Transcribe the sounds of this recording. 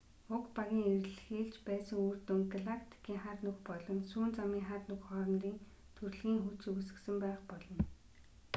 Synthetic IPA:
ʊkpaɣʲiːŋerɮxeːɮt͡ɕpæːsə̆ŋurt̪ɵŋɡɮakʰt̪ʰi̥kiːŋχarnɵxpɔɮɞ̆nsuːnt͡samiːŋχarnɵxχɔːrɞ̆nriːŋ | t̪ʰɵrɮɣiːŋxut͡ɕɵusɘ̆ksɘ̆mpæːχpɔɮɞ̆n

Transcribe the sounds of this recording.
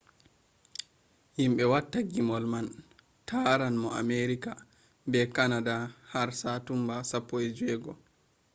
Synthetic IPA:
himɓɛwatːaɡimɔlman | tʰaɾanmɔʔa̰meɾika | bɛkanadahaɾsatumbasapːɔɛd͡ʒwɛɡɔ

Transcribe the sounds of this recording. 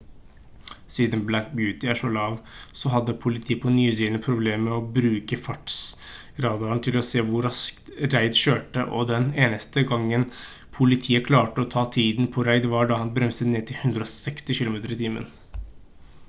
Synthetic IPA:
siːd̪əmblækbjʉːt̪ɪæːʂɔlɑːʋsɔɦɑd̪ːəpʰʊlɪt̪ʰiːəpʰɔnyːs̬iːd̪ənəpʰɾʊbleːmːɛɔbɾʉːkəfɑʈs | ɾɑːd̪ɑɾnt̪ʰɪlɔseːʋʊɾɑskt̪ɾæɪd̪ɕøːʈəʔɔd̪ɛneːnəst̪əɡɑŋːən | pʰʊlɪt̪ʰiːəkʰlɑːʈəɔt̪ʰɑːt̪ʰiːd̪n̩pʰɔɾæɪd̪ʋɑɖɑhɑnbɾɛmsət̪neːt̪ʰɪhʉnd̪ɾəɔsɛkst̪ɪʃɪlʊmeːt̪əɾɪt̪ʰiːmə̰n

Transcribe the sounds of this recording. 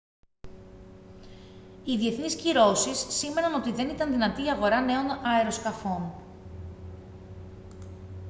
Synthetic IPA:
iðie̞θnisciɾo̞sisːime̞nɐno̞t̪iðe̞nit̪ɐnðinɐt̪iːɐɣo̞ɾɐne̞o̞nɐeɾo̞skɐfo̞n

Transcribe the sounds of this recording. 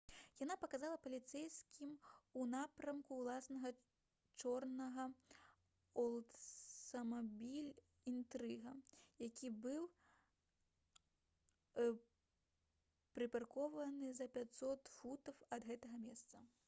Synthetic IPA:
janapɐkazalˠɐpɐlʲit̪sɛjskʲimunapɾɐmkuwlˠasnɐɣɐ | t͡ʂɔrnɐɣɐ | ɐlˠ | ɐmabʲilʲ | int̪ɾɨɣɐjakʲʰibɨw | pɾɨparkɔvɐnɨzɐpʲat̪sɔt̪fut̪ɐwɐd̪ɣɛt̪ɐɣɐmʲɛst̪sɐ

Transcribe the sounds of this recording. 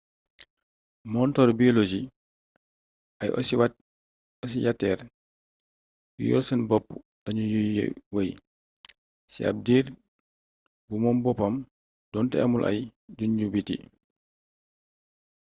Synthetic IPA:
mɔntɔɾbiɔlod͡ʒi | ɐjw | ɔs̬ijatːɛːɾ | jṵjɔ̰lsɛnbɔpː | tɐɲujuj̰wɐj | sia̰p̚diːɾ | bumɔmbɔpɐm | d̥ɔːntɛ̰ɐmulʔɐ̰jɟuɲɟubitḭ

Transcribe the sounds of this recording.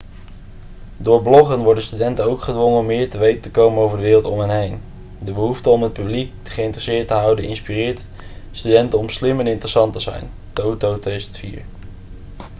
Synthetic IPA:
dʊːɹblɔχənʋɔɹdənstydɛntənowkχədʋɔŋənɔmːɪːɹtəʋejtətəkowmənowvəɹdəʋɪːrəlˠtɔmɦənɦejn | dəbəɦuftəɔmɦət̚pyblik̚əχəɪntrəsɪːɹtəɦɑwdənɪnspirɪːɹt | stydɛntənɔmslɪmɛnɪntrəsɑntəzɛ̰jn | towtowtestfḭːɹ

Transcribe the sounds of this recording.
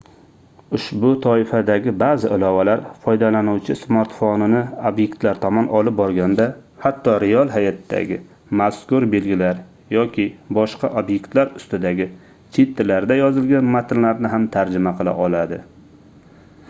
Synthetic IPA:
ʊʃbʊt̪ʰɒɪfad̪aɡʲɪbazɪɪlɒvalaɾfɒjd̪alanuwt͡ʃʰɪsmaɾt̪fonɪnɪobje̞kt̪laɾt̪ʰɒmɒnɒlɪp̚bɒɾɡʲand̪ahat̪ʰːɒɾɪjɒlˠɦajat̪d̪a̰ɡʲɪ | maskʊɾbe̞lɡʲɪlaɾ | jɒkʲʰɪbɒʃqɑʔobje̞kt̪laɾʊst̪ɪd̪aɡʲɪ | t͡ʃʰet̪ʰːɪlaɾd̪ajɒzɪlɡʲanmat̪ʰɪnlaɾnɪɦamt̪ʰaɾd͡ʒɪmaqʰɨlˠa̰ʔɒlad̪ɪ

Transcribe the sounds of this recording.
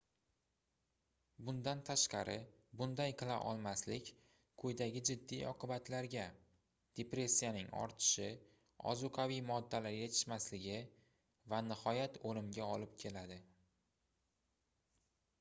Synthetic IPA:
bʊnd̪ant̪ʰaʃqɑɾʔɪbʊnd̪ajqʰɨlˠa̰ʔɒ̰lˠmaslɪkʲ | kʰɵjd̪aɡʲɪd͡ʒɪd̪ːijɒqʰɨbat̪ʰlaɾɡʲa | d̪̥e̞pɾe̞sʲːijanɪŋɒ̰ɾt̪ʰɪ̥ʃɪ | ɒ̰zʊqʰavijmɒd̪ːalaɾjet̪ʰɪ̥ʃmaslɪɡʲɪ | vanɪhɒjat̪ʰolɪmɡʲaɒlɪp̚kʲʰe̞lad̪ɪ

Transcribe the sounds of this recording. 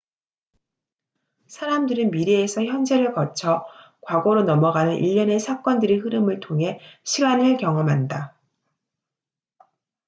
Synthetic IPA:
sʰaɾamdɯɾɯnmiɾeːsʰʌçjʌnd͡ʑe̞ɾɯɭkʌt͡ɕʰʌ | kwaɡoɾonʌmʌɡanɯnʔḭʎːʌne̞sʰak͈wʌndɯɾihɯɾɯmɯɭtʰoŋɦe̞ɕʰiɡanɯɭkjʌŋʌmɦanda

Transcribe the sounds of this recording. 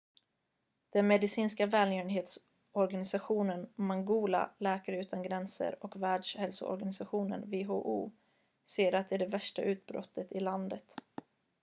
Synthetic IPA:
d̪̥ɛnmɛd̪ɪsiːnskavɛːljœːənɦeːt̪s | ɔɾɡanɪsaɧuːnənmaŋɡuːla̰lɛːkaɾəʉ̟ːt̪ʰanɡɾɛnsə̰ɾɔkvæːɖʂhɛlsʊ̰ɔ̰ɾɡanɪsaɧuːnə̰nveːɦoːʔṵː | seːɾat̪̚d̪ɛæɖɛvæʂʈaʔʉ̟ːt̪̚bɾɔ̰t̪ʰːət̪ɪland̪ət̪

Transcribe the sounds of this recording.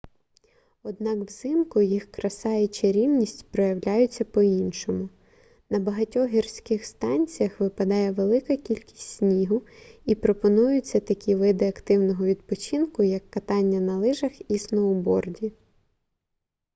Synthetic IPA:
ɔd̪nɑkwz̥ɪmkʊjixkɾɐsɑjɛt͡ʃɐɾʲiwnʲisʲtʲpɾɔjɐwlʲajʊt͡sʲːɐpɔinʃɔmʊ | nɐbɐɦɐtʲɔɦʲirsʲkɪxst̪ɑnʲt͡sʲijɐxʋɪpɐd̪ɑjɛʋelˠɪkɐkʲilʲkʲi̥sʲtʲsʲnʲiɦʊipɾɔpɔnujʊt͡sʲːɐt̪ɐkʲiʋɪd̪ɪɐkt̪ɪwnɔɦɔʋʲid̪pɔt͡ʃinkʊjɐkːɐt̪ɑnʲːɐnɐlˠɪʒɐxisnɔʊbɔrdʲi

